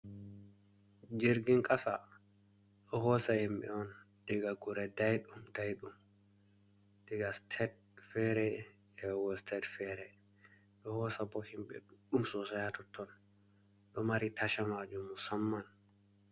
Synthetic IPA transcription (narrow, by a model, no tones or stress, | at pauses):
d͡ʒeɾɡiŋkʼasa | ɗɔhɔsahimɓɛ̰ɔn | d̥ɛɡaɡuɾɛdajɗumdajɗum | d̥ɛɡastʰɛd | fɛɾɛ | ɛwɔstʰɛdfɛɾɛ | ɗɔhɔsabɔhimɓɛ̰ɗɗumsɔsajatɔtʰɔn | ɗɔmaɾitʰaʃamad͡ʒumːusamːan